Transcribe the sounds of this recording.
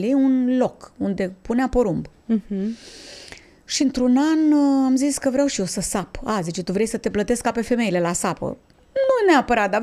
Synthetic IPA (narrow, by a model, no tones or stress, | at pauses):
liunlo̞kund̪e̞puneapoɾumb | ʃiɨnt̪ɾunanamziskəvɾeawʃijosəsapazit͡ʃet̪uvɾe̞jsət̪e̞plət̪e̞skape̞fe̞me̞jle̞lasapə̰ | nuneapəɾat̪̚d̪a